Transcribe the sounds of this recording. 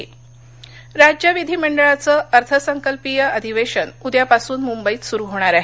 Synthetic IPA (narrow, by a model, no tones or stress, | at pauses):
ɾad͡ʑjəʋid̪ʱiːməɳɖəɭat͡səːʔəɾt̪ʰəsəŋkəlpijəəd̪ʱiʋeɕənud̪japasuːnmumbəiːt̪suɾuɦoɽ̃aɾaɦe